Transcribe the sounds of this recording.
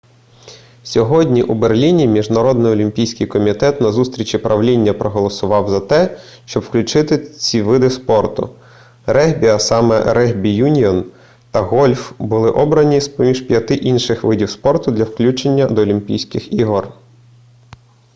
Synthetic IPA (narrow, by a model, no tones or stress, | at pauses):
sʲɔɦɔdʲnʲiʔuberlʲinʲimʲiʒnɐɾɔd̪nɪjɔlʲimʲpʲijsʲkɪjkɔmʲit̪ɛt̪nɐzust̪ɾʲit͡ʃʲipɾʔɐwlʲinʲːɐpɾɔɦɔlˠɔsʊʋɑwzɐt̪ɛ | ʃt͡ʃɔbwklʲʊt͡ʃɪt̪ɪt͡sʲiʋɪd̪ɪspɔrt̪ʊ̰ | ɾɛɦbʲiɐsɑmɛ̰ɾɛɦbʲijunʲiɔn | t̪ɐɣɔlʲfbʊlˠɪʔɔbɾɐnʲispɔmʲiʒpʲjɐt̪ɪʔinʃɪxʋɪdʲiwspɔrt̪ʊd̪lʲɐwklʲut͡ʃenʲːɐd̪ɔːlʲimpʲḭjsʲkɪxiɦɔr